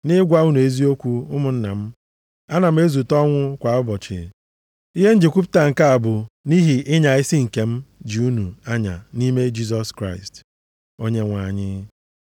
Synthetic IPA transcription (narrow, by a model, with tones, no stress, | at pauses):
nɪ˦ɡʷa˦u˦nu˨e˦zi˦o˦kʷu˦ʊ˦mʊ˨n̩˦na̰˨m̩˦ | a˦na˨m̩˦e˦zu˨tɔ˦ŋʷʊ˦kʷa˨ʊ˦bɔ˨t͡ʃɪ̰˨ | i˦ɦe˦n̩˦d͡ʒi˨kʷu˦p̬ta˨ŋ̩˨ka˦a˨bʊ˨ni˦ɦi˨ʔɪ˦ɲa˨ɪ˦si˦ŋ̩˨ke˨m̩˦d͡ʒi˨u˦nu˨a˦ɲa̰˨ni˦me˦d͡ʒi˦s̬ɔ˦skɾa˦ɪ˨st | o˦ɲe˦ŋʷa˨ɲɪ˦